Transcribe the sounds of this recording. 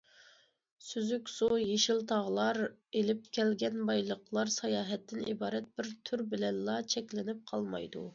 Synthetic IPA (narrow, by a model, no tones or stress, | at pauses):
syzykʲsujeʃilt̪ʰɑʁlˠɑɾelɪp̚kʲʰɛlɡʲɛnbɑjlˠəqlˠɑɾsɑjɑːɦɛt̪ʰːɪnḭbɑːɾɛt̪̚b̥ɪɾt̪ʰyɾbɪlɛnlɑt͡ʃʰɛkʲlɪnɪp̚qʰɑlˠmɑ̰jd̪ṵ